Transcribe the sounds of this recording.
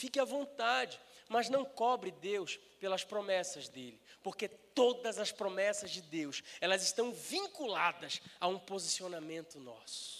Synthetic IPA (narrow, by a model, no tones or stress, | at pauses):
fikɪɐvõnt̪ad͡ʒɪmɐznɐ̃w̃kɔbɾɪd̪ews | pelɐspɾomɛsɐzd̪elɪpoɾket̪od̪ɐzɐspɾomɛsɐzd͡ʒɪd̪ewsɛlɐzɪʃt̪ɐ̃w̃vĩŋkulad̪ɐsaũpozisionamẽnt̪ʊnɔ̰sʊʊ̥